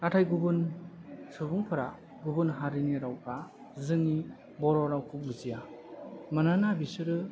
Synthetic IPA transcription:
natʰajɡubun | sɯbuŋpʰɯɾa | ɡubunɦaɾiniɾawkʰa | zɯŋːi | bɔɾɔɾawkʰup̚uzija | mananabisɯɾɯ

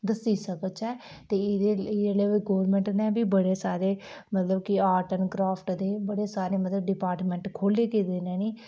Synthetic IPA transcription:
d̪əsiːsəkət͡ʃɛː | t̪eːeɪeːleːʋɡoːʋəɾmɛ̃ɳʈnɛːbiːbəɽeːsaːɾeː | mət̪ləb̚kɪaːʈənkɾaːpʰʈd̪eːbəɽeːsaːɾeːmət̪ləbɖɪpaːɾʈmɛ̃ɳʈkʰoːleːkeːd̪eːnɛːniː

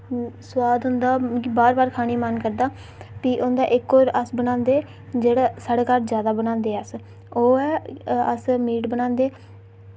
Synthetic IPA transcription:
swaːd̪ɦʊnd̪aːbaːɾbaːɾkʰaːɽ̃iːmənkəɾd̪aː | piːʔʊnd̪aːʔɪkoːɾəsbənãːnd̪eː | d͡ʒeːɽaːsaːɽeːkaːɾd͡ʒjaːd̪aːbənãːnd̪eːəs | oːɛːəsmiːʈbənãːnd̪eː

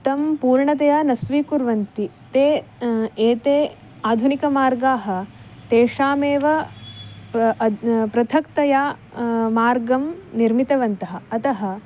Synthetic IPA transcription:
t̪ɐmpuːɾɳɐt̪ɐjaːnɐsʋiːkuɾʋɐnt̪i | t̪eː | eːt̪eː | aːd̪ʱunikɐmaːɾɡaːɦɐ̆ | t̪eːʂaːmeːʋɐ | pɾɐt̪ʰɐkt̪ɐjaː | maːɾɡɐmniɾmit̪ɐʋɐnt̪ɐɦɐ̆ːt̪ɐɦɐ̆

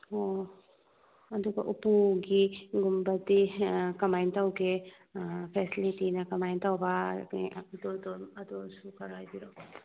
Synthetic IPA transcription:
o | ɐd̪ukɐ̰ʔupuɡiɡumbɐt̪ikɐmajnt̪ɐwɡe | pʰesiliʈinɐkɐmajnt̪ɐwba | d̪ut̪uɐd̪usukɐɾajt̪iɾo

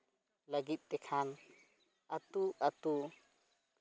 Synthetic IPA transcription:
ləɡit̪̚ˀd̪ekʰan | ɐt̪uɐt̪u

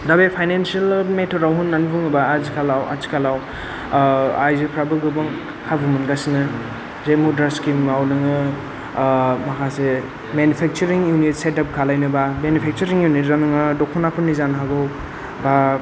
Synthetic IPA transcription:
dabepʰajnensialmetʰɔɾawɦunːanbuŋɯbaazikʰalawʔa̰zi̥kʰalaw | ajzipʰɾabɯɡɯbɯŋ | kʰabumɯnɡasinɯ | zejmudɾaskimmawnɯŋɯ | makʰase | menupʰek̚t͡ʃuɾiŋjunit̚setɐp̚ɡʰʱalajnɯbamenupʰek̚t͡ʃuɾiŋjunit̬̚zanɯŋɯdɔkʰɔnapʰɯnːizanɦaɡɯw | ba

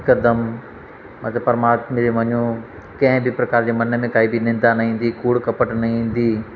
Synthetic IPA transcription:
kɐd̪əm | mɐ̃t̪ɐpɐɾmaːt̪miɾeʋɐɲũ | kɐ̃ɦɪ̃bɪpɾɐkaːɾd͡ʑeːmɐnəmẽkaːibɪnɪ̃nd̪anɐɦĩːn̆d̪ikuːɽkɐpəʈnɐɦĩːn̆d̪iː

